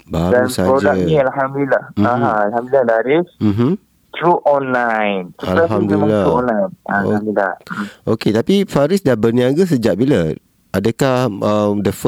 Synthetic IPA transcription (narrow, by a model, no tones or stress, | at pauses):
badansapɾod͡ʒaaĩalɦamdulilahaãalhamd̪ulilahdaɾism̩ɦm̩ | t̪ɾuʔɔnlajntualaɦamdulilauɔnlajnao̰amduila̰oket̪apifaɾisdabərniaɡəs̬əd͡ʒaʔbila | adəkahəmdəf